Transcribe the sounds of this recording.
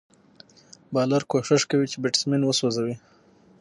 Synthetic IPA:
bɑlaɾkoʂɪʂkawit͡ʃebɪʈsminwəsozawi

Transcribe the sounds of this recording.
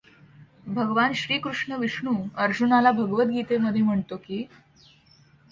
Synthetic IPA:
bʱəɡʋanɕɾiːkɾuʂɳəʋiʂɳuːəɾd͡ʑunalabʱəɡʋət̪̚ɡiːt̪eməd̪ʱːjem̤əɳt̪okiː

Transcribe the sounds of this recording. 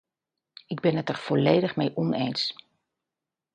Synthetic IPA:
ɪɡ̚bɪnətərv̥ɔlejdəχmejʔɔnejns

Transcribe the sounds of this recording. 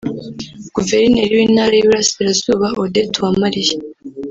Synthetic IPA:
ɡ̥uveɾineɾiwinaɾejuɾasiɾazuːβaodetuwamaɾije

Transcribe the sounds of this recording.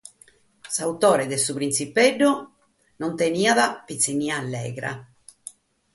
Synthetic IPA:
saut̪ɔːɾɛðɛsupɾinsipɛɖːɔ | nɔnt̪eniaðapit̪sːiniaːlːɛ̰ːɣɾa̰

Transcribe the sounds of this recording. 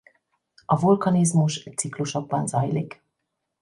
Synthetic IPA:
ɒvulkɒnizmuʃt̪sikluʃoɡ̚bɒnzɒjlik

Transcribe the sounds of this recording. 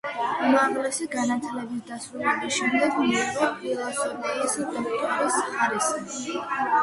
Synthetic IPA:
maʁlɛsiɡanat̪ʰilɛbisd̪asɾulɛbisʃɛmd̪ɛɡmiqʼɔkʼilˠasɔnalisipʼɔpt̪ʼɔbisχaɾisχi

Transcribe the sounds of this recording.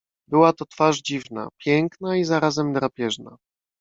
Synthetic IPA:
bɘwat̪ɔt̪faʐd͡ʑivna̰pʲjɛŋknaizaɾazɛmd̪ɾapʲjɛʐna̰

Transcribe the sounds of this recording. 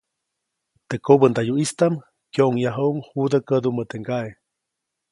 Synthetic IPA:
t̪ekobənd̪ajuist̪am | kjoʔŋjaɦouŋhud̪əkəd̪umət̪eŋɡae

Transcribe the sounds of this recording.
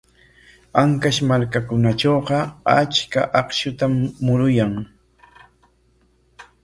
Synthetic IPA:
aŋkaʃmaɾkakʊnat͡ʃoːɢɑat͡ʃkaʔɑqʃʊt̪amːʊɾʊjaŋ

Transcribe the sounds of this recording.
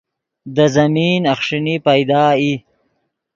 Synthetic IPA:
d̪əzɐmiːnɐxʂinipajd̪ɑːi

